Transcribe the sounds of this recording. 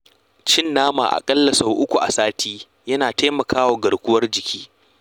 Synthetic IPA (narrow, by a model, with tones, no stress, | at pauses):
t͡ʃɪ˦nːaː˦ma̰ː˨ʔa̰˨kʼɐ˦lːɐ˨sa˦˨wʔʊ˦kʷu˨ʔa̰˨saː˦tʰiː˦ | jɐ˦naː˨taː˦mɐ˨kʰaː˦wa˨ɡɐ˨ɽkʷʊ˦wɐ˦rd͡ʒɪ˨kʲiː˦